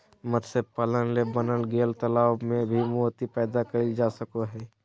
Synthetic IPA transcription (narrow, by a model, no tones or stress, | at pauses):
məd̪sepələnlebənəlɡeːlt̪əlaːwmẽbʱimoːt̪ipɛːd̪akəid͡ʒaːsəkoɦɛː